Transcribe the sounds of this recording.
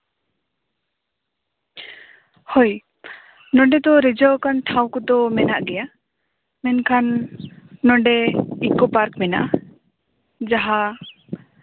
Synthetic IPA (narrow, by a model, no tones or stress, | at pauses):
hoj | nɔɖɛd̪ɔɾɛd͡ʒɔwkanʈʰawkɔd̪ɔmɛnaʔɡɛja | mɛnkʰanː | ɔɖɛikɔpaɾkmɛna̰ʔa | d͡ʒaɦa